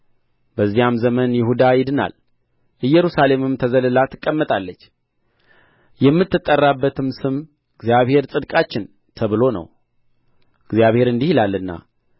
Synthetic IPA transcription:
bəzːijamzəmənjɪhud̪ajɪd̪ɨna̰l | ʔɨjːɛɾusale̞mɨmt̪ʰəzələlat̪ʰːɨkʼːəmːət̪ʼalːət͡ʃː | jɛmːɨt̪ːɨt̪ʼːərːabːət̪ʰɨmsɨm | ɡzijaβhe̞ɾsʼɨd̪kʼat͡ʃːɪn | t̪ʰəβɨlo̞nə̰w | ɡzijaβhe̞ɾɨnd̪ihilalːɨnːa̰

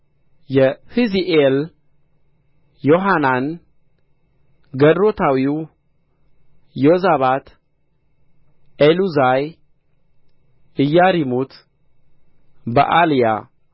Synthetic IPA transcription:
jɛhiziʔel | joɦanan | ɡəd̪ɾo̞t̪ʰawiw | jozaβat̪ | eluzaj | ɨjːaɾimut̪ʰ | bə̰ʔalija̰

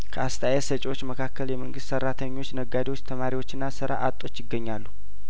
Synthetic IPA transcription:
kʰəast̪ʰajɛsət͡ʃʼiwo̞t͡ʃːməkʰakːəljɛməŋɡɨst̪sərːat̪ʰəɲːo̞t͡ʃːnəɡːad̪iwo̞t͡ʃːt̪ʰəmaɾiwo̞t͡ʃːɨnːasɨɾa̰ʔat̪ʼːo̞t͡ʃːjɪɡːəɲːalːu

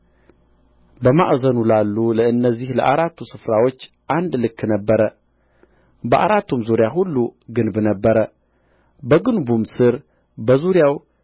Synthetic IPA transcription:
bəmaʔzənulalːuləɨnːəzːihlə̰ʔaɾat̪ʰːusɨfɾawo̞t͡ʃː | ʔand̪lɨkːnəbːəɾə | bəʔa̰ɾat̪ːumzuɾjaɦulːuɡɨnbnəbːəɾə | bəɡɨnbumsɨɾ | bəzuɾjaw

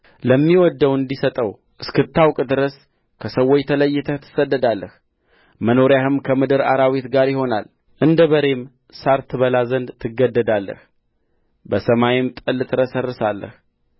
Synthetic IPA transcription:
ləmːiwɔd̪ːəwɨnd̪isət̪ʼəw | ʔɨskɨt̪ʰːawkʼd̪ɨɾəs | kʰəsəwːojt̪ʰələjːɪt̪ʰət̪ʰɨ̥səd̪ːəd̪alːəh | məno̞ɾjahɨmkʰəmɨd̪ɨɾaɾawit̪ɡaɾjɪho̞na̰l | ʔɨnd̪əβəɾe̞m | saɾt̪ʰɨβəlazənd̪t̪ʰɨɡːəd̪ːəd̪alːə̰h | bəsəmajɪmt̪ʼɨlːt̪ʰɨɾəsərːɨsalːə̰h

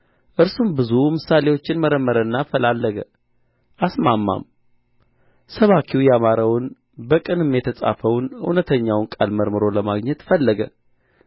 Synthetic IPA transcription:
ʔɨɾsumbɨzumɨsale̞wo̞t͡ʃːɪnməɾəmːəɾənːafəlalːəɡə̰ | ʔasmamːa̰m | səβakʰiwujɛamaɾəwʊn | bəkʼɨnɨmjɛt̪ʰəsʼa̰fəwnṵnət̪ʰəɲːawnkʼa̰lməɾmɨɾo̞ləmaɡɲɛt̪fəlːəɡə

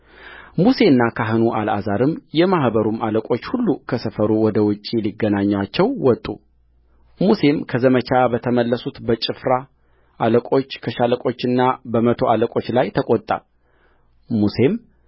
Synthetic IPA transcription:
muse̞nːakʰaɦɨnuʔala̰zaɾɨmjɛmahbəɾumaləkʼo̞t͡ʃːhulːukʰəsəfəɾuwɔd̪əwʊt͡ʃʼːiliɡːənaɲːat͡ʃːɛwwɔt̪ʼːṵ | muse̞mkʰəzəmət͡ʃabət̪ʰəməlːəsut̪bət͡ʃʼɨfɾa | ʔaləkʼo̞t͡ʃːkʰəʃaləkʼo̞t͡ʃːɨnːabəmət̪ʰo̞aləkʼo̞t͡ʃːlajt̪ʰəkʼot̪ʼːa̰ | muse̞m

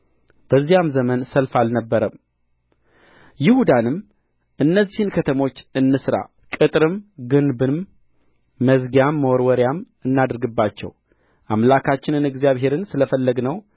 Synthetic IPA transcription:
b̥əzːijamzəmənsəlfalnəbːəɾəm | jɪhud̪anɨm | ʔɨnːəzːihɨnkʰət̪ʰəmo̞t͡ʃːɨnːɨsɾa̰ | kʼɨt̪ʼɾɨmɡɨnbɨmː | əzɡjamːəwɔɾwɔɾjam | ɨnːad̪ɾɡɨbːat͡ʃːɛ̰w | ʔamlakʰat͡ʃːɪnɨnɨɡzijaβɦe̞ɾɨnsɨləfəlːəɡnəw

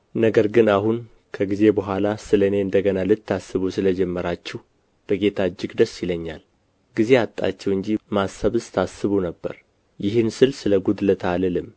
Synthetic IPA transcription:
nəɡəɾɡɨnahun | kʰəɡize̞bəɦʷalasɨləne̞ɨnd̪əɡənalɨt̪ːasːɨβusɨləd͡ʒɛmːəɾat͡ʃːɛh | b̥əɡe̞t̪ʰad͡ʒːɪɡd̪əsːjɪləɲːal | ɡize̞at̪ʼːa̰t͡ʃːɛwɨɲd͡ʒimasːəβɨst̪ʰasːɨβunəbːə̰ɾ | jɪɦɨnsɨlsɨləɡud̪lət̪ʰalɨlɨm

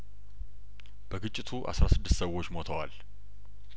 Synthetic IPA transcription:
b̥əɡɨt͡ʃʼːɪt̪ʰuʔa̰sɾasɨd̪ːɨst̪səwo̞t͡ʃːmot̪ʰəwal

